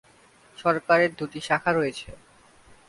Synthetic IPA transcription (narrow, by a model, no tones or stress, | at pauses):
ʃɔɾkaɾeɾd̪uʈiʃakʰaɾojet͡ɕʰe